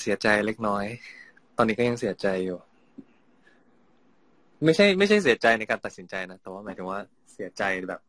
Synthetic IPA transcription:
si˩˦ɐt͡ɕa˧jle˦˥k̚nɔː˦˥j | t̪ɔː˧nːiː˦˥kɔ˥˩ja˧ŋsi˩˦ɐt͡ɕa˧jːuː˨˩ | ma˥˩jt͡ɕʰa˥˩jma˥˩jt͡ɕʰa˥˩js̬i˨˩˦ɐt͡ɕa˧jna˧jkaː˧nt̪a˨˩t̪̚si˩˦t͡ɕa˧jna˦˥t̪ɛː˨˩waː˥˩maː˨˦t̪ʰɯ˩˦waː˥˩ | si˨˩˦ɐt͡ɕa˧jbɛ̰ː˨˩p̚

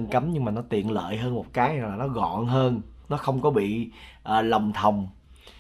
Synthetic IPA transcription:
nka˨˦mɲɨ˧ŋmaː˨˩nɔ˨˦t̪ḭ˨˩˨ənlə̰ː˧˨jɦəː˧nmo˨˩t̚kaː˨˦ja˨˩ŋlaː˨˩nɔ˨˦ɣɔ̰˧˨nɦəː˧nnɔ˨˦xə˧wŋ͡mkɔ˨˦ɓḭ˧˨ʔəː˨˩lə˨˩wŋ͡mt̪ʰə˨˩wŋ͡m

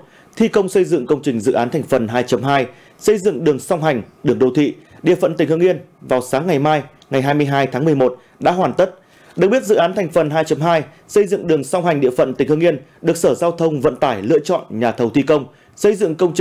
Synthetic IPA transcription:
t̪ʰi˧kə˧wŋ͡msə˧jzɨ̰˧˨ŋkə˧wŋ͡mt͡ɕï˨˩ŋ̟zɨ̰˧˨ʔaː˨˦nt̪ʰa˨˩ŋ̟fə˨˩nɦaː˧jt͡ɕə˨˦mɦaː˧j | sə˧jzɨ̰˧˨ŋɗɨ˨˩əŋsa˧wŋ͡mɦa˨˩jŋ̟ɗɨ˨˩əŋɗo˨˧˩t̪ʰḭ˧˨ɗḭ˧˨əfə̰˧˨nt̪ï˧˨˩ŋ̟hɨ˧əŋʔi˧ənvaː˨˩wsaː˨˦ŋːa˨˩jmaː˧j | ŋa˨˩jɦaː˧jm˧əjɦaː˧jt̪ʰaː˨˦ŋmɨ˨˩əjmo˨˩t̚ | ɗa̰ː˧˥ɦwaː˨˩nt̪ə˦˥t̚ | ɗɨ˨˩k̚ɓi˦˥t̚zɨ̰˧˨ʔaː˨˦nt̪ʰa˨˩ŋ̟fə˨˩nɦaː˧jt͡ɕə˨˦mɦaː˧j | sə˧jzɨ̰˧˨ŋɗɨ˨˩əŋsa˧wŋ͡mha˨˩ŋ̟ɗḭ˧˨əfə̰˧˨nt̪ï˩ŋ̟hɨ˧ŋʔi˧ənɗɨ˨˩ək̚səː˧˩zaː˧wt̪ʰə˧wŋ͡mvə̰˧˨nt̪aː˧˩jlɨ̰˧˥ət͡ɕɔ̰˧˨nɲaː˨˩t̪ʰə˨˩wt̪ʰi˧kə˧wŋ͡m | sə˧jzɨ̰˧˨ŋkə˧wŋ͡mt͡ɕ

